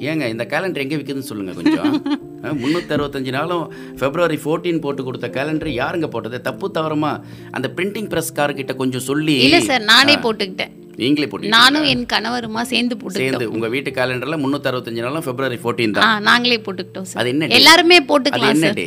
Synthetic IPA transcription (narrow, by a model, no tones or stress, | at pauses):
eːŋɡɐɪnd̪ɐkaːlɛɳɖɐɾɛŋɡeʋɪkːɐðɯnɯsɔlːɯŋɡɐ̰kɔ̰ɲd͡ʒõ̰ | mʊnːuːt̪ːɐɾɯʋɐt̪ːɐɲd͡ʒɯnaːlʊ̃ | fɛbɾɯʋɐɾifoːɾʈːiːnpoːʈːɯkːɔɽɯt̪ːɐkaːlɛɳɖɾjaːɾɛŋɡɐpoːʈːɐðɯt̪ɐpːɯt̪ːɐʋɐɾɐmaː | ʔɐ̰nd̪ɐpɪɳʈɪŋpɪɾɐskaːɾkɪʈːɐkɔɲd͡ʒɔ̃sɔlːiɪlːɐsaːɾnaːneːpoːʈːɯkːɪʈːḛ̃ː | ʋiːŋɡɪleːpoːʈːɯkːnaːnʊ̃ɛnkɐnɐʋɐɾɯmaːseːɾnd̪ɯpoːʈsɯseːɾnd̪ɯʊ̰ŋɡɐʋiːʈːɯkaːlɛɳɖɾɐlɐmʊnːuːt̪ːɐɾɯʋɐt̪ːɐɲd͡ʒɯnaːlʊ̃fɛbɾɯʋɐɾifoːɾʈːiːnt̪ã̰ãːnaːŋɡɐɭeːpoːʈːɯkːɪʈːõsaːɐ̰ðɯɛnːɐɖɛllːaːɾɯmeːpoːʈːɯkɐðɐl̃ːɛnːɐɾɖḭ